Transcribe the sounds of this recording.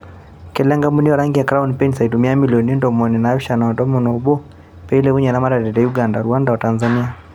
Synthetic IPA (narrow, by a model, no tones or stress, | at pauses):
kɛlɛŋɡamuniɔɾaŋɡijakɾaunpɛnsaitumiamiliɔnindɔmɔninaːʃanaɔdɔmɔnɔbɔ | pɛilɛuɲanamaɾadɛdɛjuɡandaɾuandawatanzania